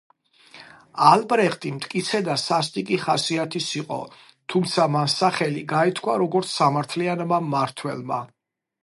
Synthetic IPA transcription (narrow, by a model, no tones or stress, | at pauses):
albɾɛχt̪ʼimt̪ʼkʼit̪sʰɛd̪asast̪ʼikʼiχasiat̪ʰisiqʼɔ̰ | t̪ʰumt̪sʰamansaχɛliɡait̪ʰkʰwaɾɔɡɔɾt̪sʰsamaɾt̪ʰlianmamaɾt̪ʰwɛ̰lˠma̰